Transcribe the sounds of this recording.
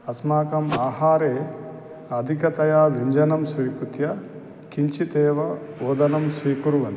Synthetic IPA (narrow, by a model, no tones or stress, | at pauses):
ɐsmaːkɐmaːɦaːɾeː | ɐd̪ʱikɐt̪ɐjaːʋiɲd͡ʒɐnɐmsʋiːkut̪jɐ | kiɲt͡ʃit̪ɛːʋɐɔːd̪ɐnɐmsʋiːkuɾuʋɐn